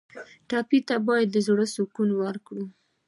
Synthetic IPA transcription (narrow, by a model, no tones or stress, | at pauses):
ʈɑpit̪abɑjad̪ːəzɽəsukunwaɾkɽu